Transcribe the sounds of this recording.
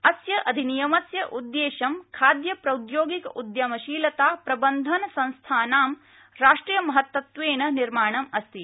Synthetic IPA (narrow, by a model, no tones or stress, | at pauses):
ɐsjɐʔɐd̪ʱinijɐmɐsjɐʔud̪ːeːʃɐmkʰaːd̪jɐpɾɐud̪joːɡikɐud̪jɐmɐʃiːlɐt̪aːpɾɐbɐnd̪ʱɐnɐsɐ̃ñst̪ʰaːnaːm | ɾaːʂʈɾiːjɐmɐɦɐt̪ːʋɐt̪ʋeːnɐniɾmaːɳɐmɐst̪i